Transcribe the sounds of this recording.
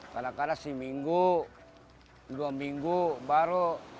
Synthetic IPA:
kalakadasimiŋɡu | duamiŋɡubaɾo

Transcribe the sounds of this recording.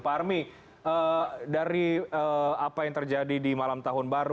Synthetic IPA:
parmi | ədaɾiəapajaŋt̪ərd͡ʒadidimalamt̪aɦʊnbaɾ

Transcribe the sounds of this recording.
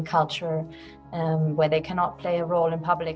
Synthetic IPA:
kʰʌlˠt͡ʃə˞ | wə˞ðeɪkʰænɑt̚pʰl̥eɪəɹoʊlˠɨ̃npʰʌblɪ

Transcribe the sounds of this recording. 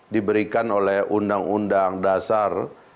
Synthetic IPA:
dibəɾikanolɛhundaŋundaŋdasar

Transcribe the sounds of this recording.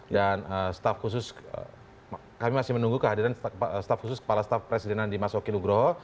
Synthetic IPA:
danəsə̥t̪afkus̬ʊsə̰ | kamimasɪhmənuŋɡukəɦadiɾanst̪afkusʊskə̥palasə̥t̪afpɾesidɛnandimasokinuɡɾoɦɔ

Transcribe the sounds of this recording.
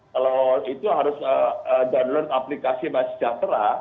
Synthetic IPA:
kaloit̪uɦaɾʊsəədadlort̪aplikasimasə̥d͡ʒat̪ɾa

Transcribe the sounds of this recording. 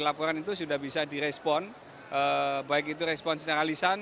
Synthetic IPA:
lapɔɾanit̪usudahbisadiɾɛspɔn | ʔəbaɪkit̪̬uɾɛspɔnst̪aɾalisan

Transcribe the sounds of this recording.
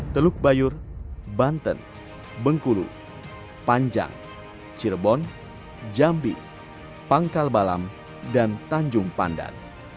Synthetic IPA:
t̪əluk̚bajurbant̪ə̰n | bəŋkulṵ | paɲd͡ʒa̰ŋ | t͡ʃilbɔn | d͡ʒambḭ | paŋkalbala̰m | dant̪aɲd͡ʒuŋpa̰nda̰n

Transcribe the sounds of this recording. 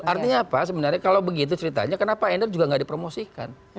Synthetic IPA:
art̪iɲaːpasəbənarɲakalawbəɡit̪̬ut͡ʃəɾit̪a̰ɲakənapaɛndərd͡ʒuɡaŋɡaʔdipɾomosika̰n

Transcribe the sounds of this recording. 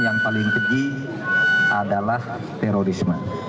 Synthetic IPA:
jaŋpalɪŋp̪əɡi | ʔadalah | t̪ɛɾoɾisma

